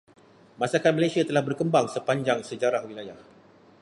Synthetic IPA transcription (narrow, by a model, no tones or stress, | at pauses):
mãsakat̪̚mãlasiat̪əlahbərkəmbaŋsəpaɲd͡ʒaŋsəd͡ʒaɾahwilajah